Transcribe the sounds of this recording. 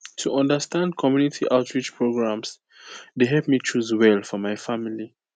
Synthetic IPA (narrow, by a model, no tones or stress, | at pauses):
tʰuʔʌ̃ndəstãndkʰɔmjunitʰiʔaʊtʰɹit͡ʃpʰɹoɡɹãms | deɦɛlpmit͡ʃuzwɛlˠfɔmaɪfamili